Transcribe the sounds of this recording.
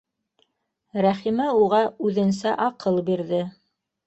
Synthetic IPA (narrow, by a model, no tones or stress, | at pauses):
ɾæχimɘuʁɑʉðɘ̆nsæʔɑqɤlˠbiɾðɘ